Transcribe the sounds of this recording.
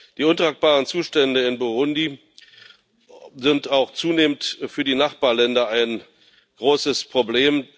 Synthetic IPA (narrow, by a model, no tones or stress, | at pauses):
d̥iːʔʊntʁ̥aːk̚b̥aːʁənt͡suːʃtɛndəɪnboʁʊndi | zɪntaʊxt͡suːneːməntfyːɐdiːnaχb̥aːɐlɛndɐaɪn | ɡ̥ʁoːsəspʁ̥obleːm